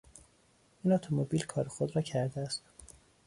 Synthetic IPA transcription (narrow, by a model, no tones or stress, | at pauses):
iːnɒt̪ʰomobiːlkʰɒːɾexod̪ɾɒːcʰæɾd̪eæst̪